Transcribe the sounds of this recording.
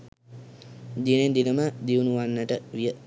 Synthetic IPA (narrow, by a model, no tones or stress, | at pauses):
d̪inend̪iləməd̪iunuʋanːəʈəʋijə